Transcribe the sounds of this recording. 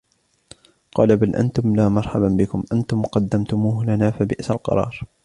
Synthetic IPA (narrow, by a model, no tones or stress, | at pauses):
qɑːlabalʔa̰nt̪ʊmlaːmɑɾˤħababɪkʊmʔant̪ʊmqɑd̪ːamt̪ʊmuːhlanaːfabɪʔsalqɑ̰ɾˤɑ̰ːɾˤ